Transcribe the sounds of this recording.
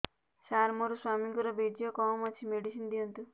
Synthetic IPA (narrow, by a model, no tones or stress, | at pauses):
ʃaɾmoɾuswamiŋkuɾɔbed͡ʒijɔkɔmɔt͡ʃʰimeɖisind̪iont̪u